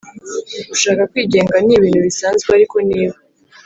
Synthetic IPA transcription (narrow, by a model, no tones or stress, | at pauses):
uʃaːkakwiːɟe̞ːŋɡaniβiːnhuβisaːnzɡweaɾiko̞niːβa